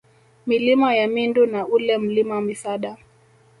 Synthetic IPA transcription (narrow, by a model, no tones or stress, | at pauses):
milimajamindunaulɛm̩limamisaɗa